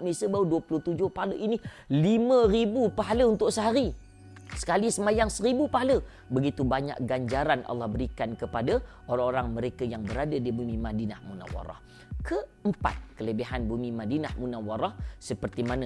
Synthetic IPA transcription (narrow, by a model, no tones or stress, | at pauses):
misəbawəduəpulʊht̪ud͡ʒʊhpaɦaləʔini | limə̃ɾibupaɦaləunt̪ʊk̚səɦaɾi | sə̥kalisəmajaŋsəɾibupaɦalə | bəɡit̪ubaɲa̰k̚ɡaɲd͡ʒaɾanʔɑ̰lːɑhbəɾikankəpada | oɾaŋoɾaŋməɾekajaŋbəɾadadibumimadinahmuna̰wa̰ɾɔ̰h | kʰəəmpa̰t̪̚kələbiɦanbumimadina̰hmunawaɾɔhsəpərt̪imana